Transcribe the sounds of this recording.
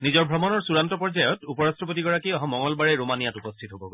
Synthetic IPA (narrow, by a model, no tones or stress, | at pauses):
nizɔɹbʱɹɔmɔnɔɹsuɹantɔpɔɹd͡ʒajɔtupɔɹastɹɔp̬otiɡɔɹakiɔɦɔmɔŋɔlbaɹɛɹomanijatupɔstʰitɦobɔɡo